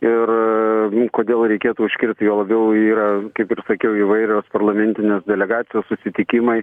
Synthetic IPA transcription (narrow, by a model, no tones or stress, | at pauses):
ɪr | koːd̪ʲeːlˠɾʲɛɪkʲeːt̪uːʊʃʲkʲɪrʲt̪ʲjoːlˠɐbʲɛʊiːɾɐkɐɪpɪrsɐkʲɛʊiʋɐɪɾʲoːspɐrlˠɐmʲɛnʲt̪ʲɪnʲeːsd̪ʲɛlʲɛɡɑːt̪sʲɪjoːssʊsʲɪt̪ʲɪkʲɪmɐɪ